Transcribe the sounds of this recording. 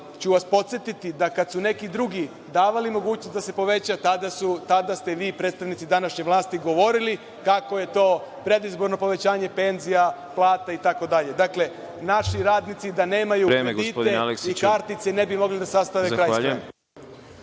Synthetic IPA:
t͡ɕuʋaspo̞t̪sjet̪it̪id̪akad̪sune̞kid̪ɾuɡi | d̪aːʋalimo̞ɡuːt͡ɕnost̪d̪ase̞po̞ʋe̞t͡ɕat̪ad̪asut̪ad̪ast̪eʋiːpɾed̪t̪st̪aʋnit̪sid̪anaʃɲeʋlˠaːst̪iɡo̞ʋo̞ɾili | kako̞je̞t̪o̞ːpɾe̞d̪izbo̞ɾno̞po̞ʋe̞t͡ɕaːɲe̞pe̞nzijaplˠaːt̪ait̪ako̞d̪aʎe̞d̪akle̞ | naʃiɾaːd̪nit̪sid̪ane̞ːmajuɾemɾeɡd̪iːtpod̪ealeksikaɾt̪nit̪sene̞bimo̞ɡlid̪asast̪aʋezkɾajae

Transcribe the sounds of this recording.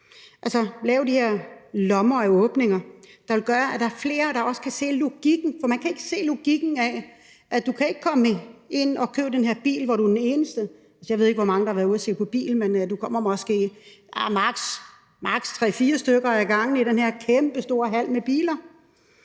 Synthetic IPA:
ʔælsɐlɛːʊd̥iheɐ̰lɒ̽mɐæɔːb̥ne̝ŋɐd̥ɑ̈ʋe̝lɡ̥ɶːɐæd̥ɑ̈æɐfle̝ːɐɾ̥ɑ̈ɒ̽sə̥kʰæse̝̰ːluɡ̥iɡ̥n̩fɒ̽mænkʰæe̝ɡ̥əse̝̰ːluɡ̥iɡ̥n̩æ | ʔæd̥ukʰæe̝ɡ̥əkʰɒ̽mie̝n̰ɒ̽kʰø̰ːb̥əd̥enhe̝ɐ̰b̥ḭːlʋɒɾ̥ud̥ene̝ːnəsd̥ə | ælsəjɑʋe̝ðˠeɡ̥ʋɒmɑ̈ŋəd̥ɑhɑʋæɐðˠɐse̝̰ːpʰɒ̽b̥ḭːl̩mend̥ukʰɒ̽m̰ɐmɒ̽sɡ̥e̝̰ːæmɑ̈ɡ̥s | mɑ̈ɡ̥st͡sʰʁɛ̰ːfiːɐsd̥øɡ̥ɐæɐɡ̥ɑ̈ŋ̰n̩iɾenheɐ̰kʰemb̥əsd̥o̝ɐɦæl̰meb̥ḭːlɐ

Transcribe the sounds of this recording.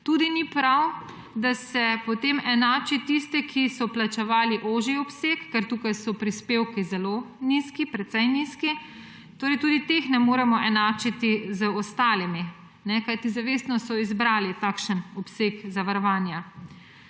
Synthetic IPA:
t̪uːd̪inipɾaw | d̪asɛpɔt̪eːmɛnaːt͡ʃit̪ist̪ɛkʰisɔplat͡ʃɛʋaːliʔoːʒiɔpsekːɛɾt̪uːkajsɔpɾispeːwkizɛloniskipɾɛt̪sɛjniski | t̪oːɾɛjt̪uːd̪it̪exnɛmoːɾɛmɔʔɛnaːt͡ʃit̪izəɔst̪aːlimi | nɛkajt̪izaʋeːst̪nɔsɔizbɾaːlit̪akʃənɔpsekzaʋaɾɔʋaːnja

